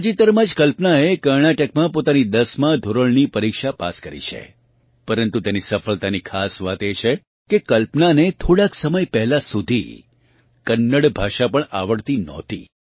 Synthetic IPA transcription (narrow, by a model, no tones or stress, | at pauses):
d͡ʒit̪əɾmad͡ʒkəlpnaekəɾɳaʈəkmãpot̪anid̪əsmãd̪ʱoɾəɭnipəɾikʃapa̰skəɾḭt͡ʃʰḛ | pəɾənt̪ut̪enisəfəlt̪anikʰasʋat̪et͡ʃʰe | kekəlpnanet̪ʰoɽaksəməjpɛɦlasud̪ʱḭ | kənːəɽbʱaʃapəɳaʋəɽt̪inɔ̰̃t̪ḭ